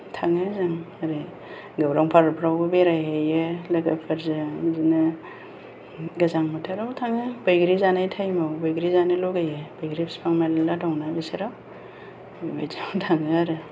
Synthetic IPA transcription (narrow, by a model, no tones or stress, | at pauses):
tʰaŋɯzaŋ | aɾe | ɡawɾaŋpʰaɾpʰɾawbɯbeɾajɦejelaɡapʰaɾzɯzinɯ | ɡazaŋmatʰaɾawtʰaŋɯbajɡɾizanajtʰajmawbajɡɾizanɯloɡajebajɡɾipspʰaŋmalaladawnabeseɾaw | ba̰jziwtʰaŋɯaɾɯ